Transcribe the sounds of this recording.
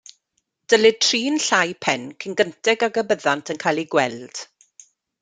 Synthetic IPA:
d̥əlɪtʰriːnɬajpʰɛnkʰənɡəntɛɡaɡəbəðantʰənkʰajlˠiɡwɛld̥

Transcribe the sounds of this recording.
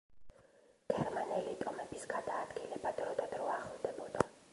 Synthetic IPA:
ɡ̥ɛɾmanɛlit̪ʼɔmɛbisɡad̪aːd̪ɡilɛbad̪ɾɔd̪ad̪ɾɔaχɛlˠd̪ɛbɔd̪a

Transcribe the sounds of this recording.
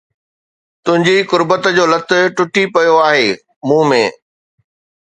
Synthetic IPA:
t̪ʊ̃ɦɪ̃ɲd͡ʑikʊɾbət̪d͡ʑoːlɐt̪ʰʊ̆ʈʊʈipɐjoaːɦeː | mũːmẽː

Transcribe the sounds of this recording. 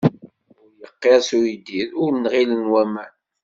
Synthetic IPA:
ʊɾjəqːeʁsuid̪iðʊɾnʁilənwæmæn

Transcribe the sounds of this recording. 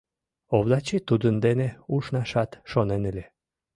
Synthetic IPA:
oβlɑt͡ɕit̪ud̪ənd̪eneuʃnɑʃɑt̪ʃonenəlʲe

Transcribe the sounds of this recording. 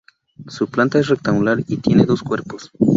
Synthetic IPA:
suplant̪aes̬rek̚t̪aŋɡulaɾit̪je̞neðo̞skweɾpos

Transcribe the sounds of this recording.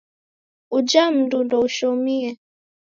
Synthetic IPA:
ud͡ʒam̩dundɔuʃɔmiɛ

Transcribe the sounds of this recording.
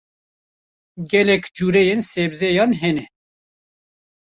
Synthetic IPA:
ɡɛlɛkd͡ʒuːɾɛjensebzɛjɑːnɦɛnɛ

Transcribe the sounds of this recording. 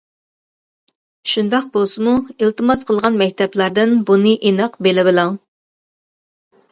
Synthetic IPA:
ʃund̪ɑq̚bolˠsɨmuilˠt̪ɨmɑsqʰəlˠʁɑnmɛk̚ʲt̪ʰɛplˠɑɾd̪ɪnbunɨʔinɑqbelɪbɪlˠɑŋ

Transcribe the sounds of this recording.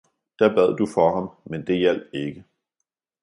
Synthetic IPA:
d̥æb̥æð̞̰ˠd̥ufɒɦɑ̈mmend̥e̝jæl̰d̥e̝ɡ̥ə

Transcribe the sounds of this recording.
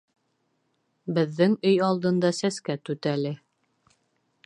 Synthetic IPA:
bɘ̆ðːɘŋɵjɑlˠd̪ɤ̆nd̪ɑsæskæt̪ʉt̪ælɘ

